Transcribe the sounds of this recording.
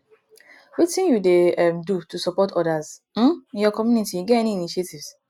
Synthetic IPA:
wit͡ʃtĩnjudeɛmdutusɔpɔtɔdaz | m̩ĩnjɔkɔmjunitiɡɛɛniːniʃetivs

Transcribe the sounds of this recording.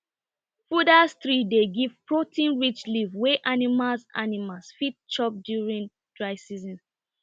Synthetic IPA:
fudasθɹideɡiv̥pɹotʰĩnɹit͡ʃlivwɛʔanimalsa̰nimalsfit̚t͡ʃɔp̚djuɹĩn | d̥ɹaɪsizɔ̃n

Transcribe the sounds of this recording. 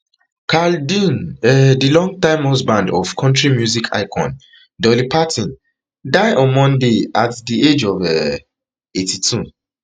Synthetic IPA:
kʰaldĩnɛdilɔ̃ŋɡ̚tãɪ̃mhɔsbãndɔvkʰɔ̃ntɹimjuzikʰa̰ɪkʰɔ̰̃n | dɔlipʰatʰĩn | daɪʔɔ̃nmɔ̃ndeatdied͡ʒɔvɛ | etʰitʰu

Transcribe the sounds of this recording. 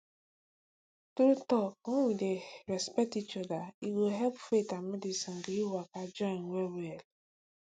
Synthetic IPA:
tuɾutɔk̚ŋ̩wideɾɛspɛk̚tit͡ʃɔdaiɡoɦɛlpfetamedisɔŋ̩ɡiiwakad͡ʒɔɪnwʷewel

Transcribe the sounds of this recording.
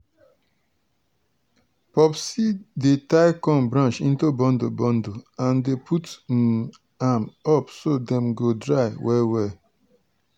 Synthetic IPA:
pɔpsidetaɪkɔ̃mbɹãnʃĩntubɔ̃ndobɔ̃ndoãndepʰut | amɔpsodɛ̃mɡodɹaɪwʔɛwɛ

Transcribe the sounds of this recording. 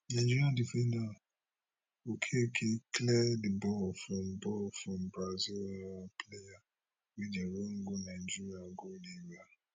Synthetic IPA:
nãd͡ʒiiadifĩnã | okʰekʰeklɛdibɔlfɾɔ̃mbɔfɾɔ̃mbɾazoapleja | widãweŋ̩ɡonãnd͡ʒiɾiaɡodiba

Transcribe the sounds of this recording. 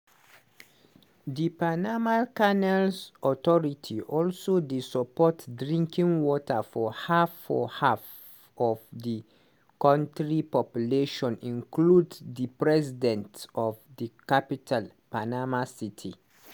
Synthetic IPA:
dipanamakanɛlsɔtɔɹitʰiʔɔlsodesɔpɔtdɹĩŋkĩŋwɔtafɔhafɔ̰haf | ɔvdi | kãntɹipɔpjuleʃɔ̃nĩŋkluddipɹɛsidɛ̃ntɔvdikapitʰal | panamasitʰḭ

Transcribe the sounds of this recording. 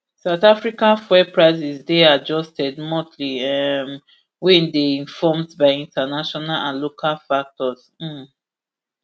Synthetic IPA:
saʊtafɹikãnfwɛpɹaɪzizdead͡ʒɔstɛdmɔtʰliɛm | wɛ̃ndeĩnfɔmdbaɪĩntanaʃɔnalãnlokʰalfak̚tɔz̩

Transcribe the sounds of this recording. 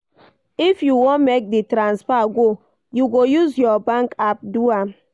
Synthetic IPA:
ifjuwõnmek̚ditɾãnsfaɡo | juɡojuzjɔbãŋkap̚dua

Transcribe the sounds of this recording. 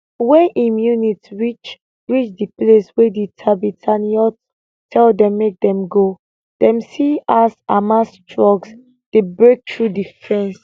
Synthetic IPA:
wɛʔĩmjunitɹit͡ʃ | ɹit͡ʃdiplesweditʰabitʰaniɔt | tʰɛldɛ̃mːek̚dɛ̃mɡo | d̥ɛ̃msiasamastʰɹɔɡs | d̥ebɹek̚tʰɹudifɹɛ̃ns

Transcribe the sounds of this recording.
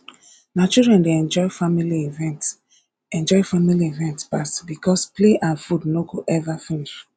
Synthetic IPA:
nat͡ʃidɹɛ̃ndeɛ̃nd͡ʒɔɪfamiliivɛ̃nt | ɛ̃nd͡ʒɔɪfamiliivɛ̃ntpasbikɔspleʔãnfudnoɡoʔɛvafĩniʃ

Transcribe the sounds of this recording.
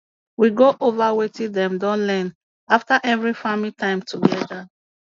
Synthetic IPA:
wiɡoʔovawetĩdɛ̃mdɔ̃nlɛ̃n | aftaʔɛvɹifamitʰãɪ̃mtuɡɛða

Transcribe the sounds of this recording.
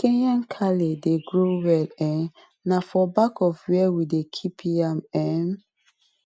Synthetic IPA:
kẽɲãnkʰaledeɡɹowɛlɛ̃n | nafɔbakɔfwɛwidekʰipʰiamɛ̃n

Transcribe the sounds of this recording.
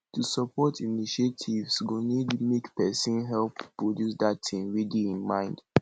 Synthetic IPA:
tusɔpɔtʰiniʃetʰivsɡonidmekpɛsĩnɦɛlppːɹodjusdatʰĩŋɹidiĩnmã̰ɪ̃nd̥

